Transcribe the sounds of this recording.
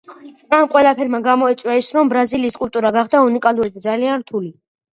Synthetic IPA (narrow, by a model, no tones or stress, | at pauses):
amqʼwɛlˠapʰɛɾmaɡamɔɛt̪sʼwaisɾɔmbɾaziliːskʼult̪ʼuɾaɡaχd̪aunikʼalˠuɾid̪̚d̪zalianɾt̪ʰuli